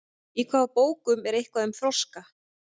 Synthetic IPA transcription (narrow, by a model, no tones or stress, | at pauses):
ikʰvaːðpoːwkʏmɛɾejhkvaðʏmfɾɔska